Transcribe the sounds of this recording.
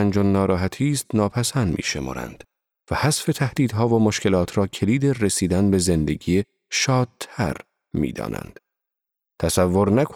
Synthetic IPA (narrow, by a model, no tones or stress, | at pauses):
ænd͡ʒonːɒːɾɒːɦæt̪ʰiːst̪nɒːpʰæsænd̪mʔḭːʃe̞mɒ̰ːɾæ̰nd̪̥ | væhæsfe̞t̪ʰæhd̪̥iːd̪ɦɒːvomoʃcʰe̞lɒːt̪ʰɾɒːcʰe̞liːd̪eresiːd̪ænbe̞ze̞nd̪e̞ɡiːe | ʃɒːd̪̚t̪ʰæ̰ɾ | mḭːd̪ɒ̰ːnʔæ̰nd̪̥ | t̪ʰæsævːoɾnæk